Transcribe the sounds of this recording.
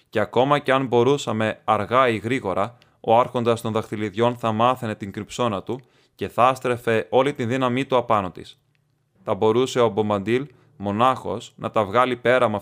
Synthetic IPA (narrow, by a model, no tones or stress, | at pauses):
ce̞ɐko̞mɐce̞ɐnbo̞ɾusɐme̞ɐɾɣɐiɣɾiɣo̞ɾɐ | o̞ɐɾxo̞nd̪ɐst̪o̞nðɐkt̪iliðʝo̞nθɐmɐθene̞t̪iŋɡɾipso̞nɐt̪u | ce̞θɐst̪ɾe̞fe̞o̞lit̪inðinɐmit̪uɐpɐno̞t̪ḭs | θɐbo̞ɾuse̞o̞bo̞mɐnd̪il | mo̞nɐxo̞snʔɐt̪ɐvɣɐlipe̞ɾɐmɐ